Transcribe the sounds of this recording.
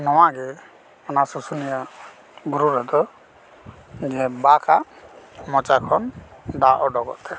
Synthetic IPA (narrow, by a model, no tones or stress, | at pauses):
nɔwaɡɛ | ɔnasɔsunija | buɾuɾɔd̪ɔ | d͡ʒɛbakʰaʔ | mɔt͡ʃakʰɔnɖaʔɔɖɔɡɔ̰ʔt̪ɛ